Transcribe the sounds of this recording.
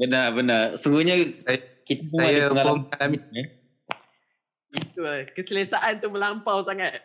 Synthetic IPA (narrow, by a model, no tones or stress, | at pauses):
bənabənasuɡuɲasajkit̪abuaajaŋalamalamia | it̪ulakəsəlasaʔant̪uməlampawsaŋat̪̚